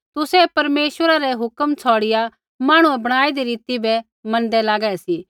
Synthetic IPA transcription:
t̪ʊsɛpɐɾmeːʃʋəɾaɾɛɦʊkəmt͡sʰɔːɽɪja | maːɽ̃uɛ̃bɐɽ̃aːid̪iɾiːt̪ibɛ | mɐ̃nd̪ɛlaːɡɛsi

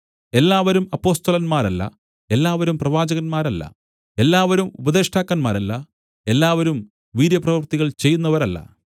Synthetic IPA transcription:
e̞lːaːʋɐɾumɐpːo̞ːst̪ɐlɐnmaːɾɐlːɐ̰ | e̞lːaːʋɐɾumprɐʋaːd͡ʑɐɣɐnmaːɾɐlːɐ̰ | e̞lːaːʋɐɾumubɐd̪eːʂʈaːkːɐnmaːɾɐlːɐ | e̞lːaːʋɐɾum | ʋiːɾjɐprɐʋɐrt̪iɣɐɭt͡ɕe̞jːunːɐʋɐɾɐlːɐ̰

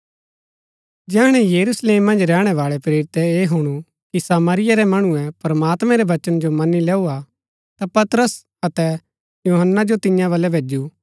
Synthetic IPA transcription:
d͡ʒɛːɽ̃ɛjɐɾusleːmːɐ̃nd͡ʒɾɛːɽ̃ɛʋaːɭɛpɾeːɾɪt̪ɛeːɦuɽ̃u | kisaːmaːɾɪjaɾɛmɐɽ̃uɛ̃pɾɐmaːt̪mɛ̃ɾɛʋɐt͡ʃənd͡ʒomɐnilɛːua | t̪apɐt̪ɾəs | ɐt̪ɛ | juːɦənːad͡ʒot̪ɪ̃jãʋɐlɛbʱeːd͡ʒu

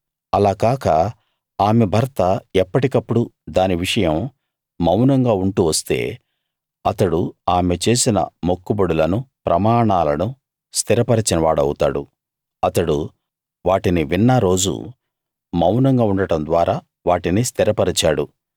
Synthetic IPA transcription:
ɐlaːkaːkɐ | aːmebʱɐɾt̪ɐɛpːɐʈikɐpːuɽud̪aːniʋiʂɐjɐm | mɐwnɐŋɡaːuɳʈuːʋɐst̪e̞̰ː | ɐt̪ɐɽuaːmet͡ʃe̞ːsinɐ̰mokːubɐɽulɐnupɾʔɐmaːɳaːlɐnu | st̪iɾɐpɐɾɐt͡ʃinɐʋaːɽɐwut̪a̰ːɽṵ | ɐt̪ɐɽṵ | ʋaːʈiniʋinːaɾo̞ːd͡ʒṵ | mɐwnɐŋɡaːuɳɖɐʈɐnd̪ʋaːɾaː | ʋaːʈinist̪iɾɐpɐɾit͡ʃaːɽu

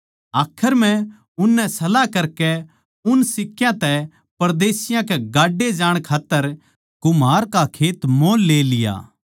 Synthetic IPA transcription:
aːkʰəɾmɛ̃ | ʊnːɛsɐlakɐɾkɛ | ʊnsɪkːjãt̪ɛ | pɐɾd̪eːsɪjãkɛɡaːɖːed͡ʒaːɽ̃kʰaːt̪ːəɾ | kʊmaːɾkakʰeːt̪mõːlːeːlɪja̰ː

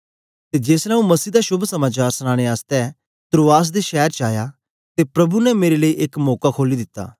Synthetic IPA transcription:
t̪ed͡ʒeːslɛ̃ũmɐsiːd̪aʃʊbʱsɐmaːt͡ʃaːɾsəɽ̃ãːɽ̃eaːst̪ɛ | t̪ɾoːaːs̬d̪eʃɛːɾt͡ʃaːja | t̪epɾɐbunɛmeːɾeləiʔekmɔːkakʰoːlid̪ɪt̪ːa̰ː

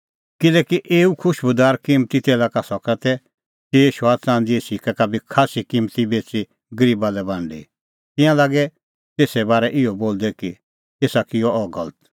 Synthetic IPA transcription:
kɪlɛːkiʔeːukʰʊʃbʊd̪aːɾkiːmt̪it̪eːlaːkasɔkat̪ɛ | t̪eːʃaːt͡sãːn̆d͡ziesikakabʱikʰaːsikĩːmt̪ibeːt͡si | ɡɐɾiːbalɛbãɳɖḭ | t̪ɪ̃jãlaːɡɛ | t̪eːsɛbaːɾɛʔɪɔboːld̪ɛki | t̪eːsakɪɔʔɔɡɐlət̪

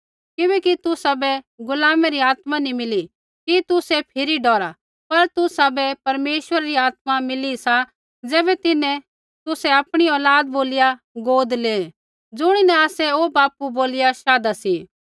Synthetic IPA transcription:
kɪbɛːkit̪ʊsabɛ | ɡʊlaːmɛɾiaːt̪manimɪli | kit̪ʊsɛpʰɪɾiɖɔːɾa | pɐɾt̪ʊsabɛpɐɾmeːʃwəɾaɾiaːt̪mamɪlisa | d͡zɛːbɛt̪ɪnɛ̃ | t̪ʊsɛɐpɽ̃iɔːlaːd̪̚boːlɪja | ɡoːd̪leː | d͡zʊɽ̃inɛ̃aːsɛoːbaːpuboːlɪjaʃaːd̪asiː

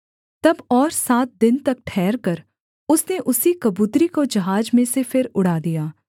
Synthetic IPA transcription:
t̪ɐbɔːɾsaːt̪̚d̪ɪnt̪ɐk̚ʈʰɛːɾkəɾ | ʊsneʔʊsikəbuːt̪ɾikod͡ʒɐɦaːd͡ʒmẽsepʰɪɾʊɽaːd̪ijaː

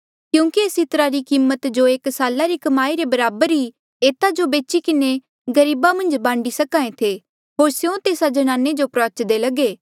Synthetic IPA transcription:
kjũːkieːsɪt̪ɾaɾikiːmːət̪d͡ʒoeːksaːlaɾikɐmaːiɾebɐɾaːbəɾɦi | eːt̪ad͡ʒobeːt͡ʃikɪne | ɡɐɾiːbamɐ̃nd͡ʒbãːɳɖisɐkãːẽt̪ʰe | ɦoːɾsjõt̪eːsad͡ʒɐñãːnːed͡ʒopɾɐət͡ʃd̪elɐɡeː

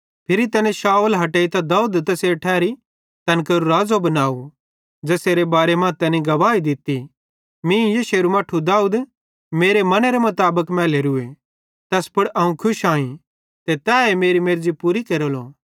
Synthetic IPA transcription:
pʰɪɾit̪ɐnẽʃaːulɦɐʈeːit̪ɐd̪aːuːd̪t̪ɐseʈʰɛːɾi | t̪ɐnkəɾuɾaːd͡zobɐnaːu | d͡ʒɐseːɾebaːɾemãːt̪ɛːnĩɡɐʋaːid̪ɪt̪ːi | mĩjeʃeːɾumaːʈʰud̪aːuːd̪ | meːɾemɐneɾemɐt̪aːbəkmɛ̃ːleɾʊe | t̪ɛspʊɽɐːũkʰʊʃaːĩ | t̪et̪ɛːemeːɾimeɾd͡zipuɾikeɾoloː

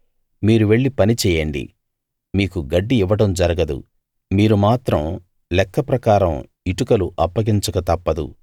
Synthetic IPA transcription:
miːɾuʋe̞ɭːipɐnit͡ʃɛːjɐɳɖḭ | miːkuɡɐɖːiiʋːɐʈɐmd͡ʒɐɾɐɡɐd̪ṵ | miːɾumaːt̪ɾɐm | lɛkːɐpɾɐkaːɾɐm | iʈukɐluʔɐpːɐɡiɲt͡ʃɐkɐt̪ɐpːɐd̪ṵ

